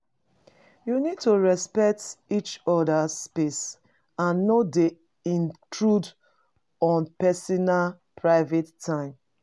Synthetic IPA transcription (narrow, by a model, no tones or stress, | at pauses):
junid̚toɹɛspɛk̚tit͡ʃɔdaspes | ãnːɔde | ĩntʰɹud | ɔ̃npɛsɔnal | pʰɹaɪvetʰːãɪ̃m